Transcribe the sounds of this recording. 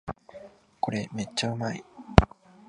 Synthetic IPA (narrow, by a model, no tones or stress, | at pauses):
ko̞ɾe̞me̞tːaɯ̟mai